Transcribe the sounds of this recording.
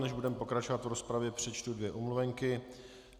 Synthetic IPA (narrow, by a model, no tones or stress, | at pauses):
nɛʒbudɛmɛpo̞kɾat͡ʃo̞vat̪vɾo̞spɾavjɛpr̝̥ɛt͡ʃt̪udvjɛʔumluvɛŋkɪ